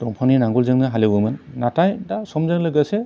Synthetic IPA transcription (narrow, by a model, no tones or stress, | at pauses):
tɔŋpʰaninaŋɡulzɯŋnɯɦalebɯmɯnːatajdasɔmzaŋlɯɡase